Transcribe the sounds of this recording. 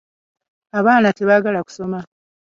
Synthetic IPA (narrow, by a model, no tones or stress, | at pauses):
aβaːnate̞βaɡalaku̥so̞ma